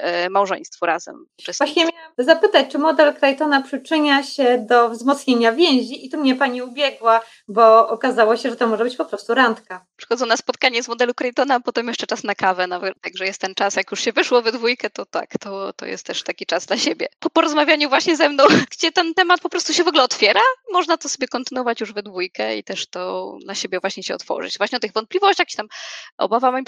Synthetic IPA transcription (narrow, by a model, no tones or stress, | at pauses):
mawʐɛ̰̃ɲ̃st̪fɔɾʔazɛ̰m | t͡ʂɛsvaɕɲɛmʲjawazapɘt̪at͡ɕt͡ʂɘmɔd̪ɛlkɾajt̪ɔnapʂɘt͡ʂɘɲaɕɛd̪ɔvzmɔt̪sɲeɲavʲjɛ̃w̃ʑiit̪umɲɛpaɲiubʲjɛɡwa | bɔɔkazawɔɕɛʐɛt̪ɔmɔʐɛbɘt͡ɕpɔpɾɔst̪uɾant̪kapʂɛ̥xɔd̪zɔ̃wnaspɔt̪kaɲɛzmɔd̪ɛlukɾajt̪ɔnapɔt̪ɛmjɛʂt͡ʂɛt͡ʂasnakavɛnavɛt̪aɡʐɛjɛst̪ːɛnt͡ʂasjakjuʂɕɛvɘʂwɔvɛd̪vujkɛt̪ɔt̪a̰kt̪ɔt̪ɔ̰jɛ̰st̪ːɛʂt̪akʲit͡ʂazd̪laɕebʲjɛ̰pɔpɔɾɔzmavʲjaɲuvwaɕɲɛzɛmnɔ̃w̃ɡ̥d͡ʑɛt̪ɛnt̪ɛmat̪̚pɔpɾɔst̪uɕɛvɔɡlɛɔt̪fʲjɛɾamɔʐnat̪ɔsɔbʲjɛkɔnt̪ɘnwɔvat͡ɕjuʐvɛd̪vujkɛḭt̪ɛʂt̪ɔd̪laɕebʲjɛvwaɕɲɛɕɛɔ̰t̪fɔ̰ʐɨ̰t͡ɕvwaɕɲɛɔt̪ɘɣvɔnt̪̚plʲivɔɕt͡ɕaxi̥t̪amʔɔ̰bavamai